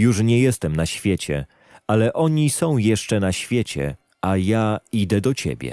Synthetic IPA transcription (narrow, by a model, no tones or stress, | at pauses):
juʂɲɛjɛst̪ɛmnaɕfʲjet͡ɕɛ̰ | alɛʔɔɲisɔ̃w̃jɛʂt͡ʂɛnaɕfʲjet͡ɕɛ̰ | ajaid̪ɛd̪ɔt͡ɕɛ̰bʲjɛ̰